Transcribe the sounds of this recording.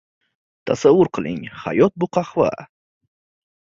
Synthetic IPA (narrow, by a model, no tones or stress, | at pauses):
t̪ʰasavːʊɾqʰɨlˠɪ̰ŋha̰jɔt̪̚bʊqʰɑχva̰